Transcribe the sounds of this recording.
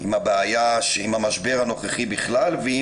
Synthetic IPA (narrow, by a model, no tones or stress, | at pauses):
imhabeajaʃeimhamaʃbe̞ʁhano̞χeχibiχlalvei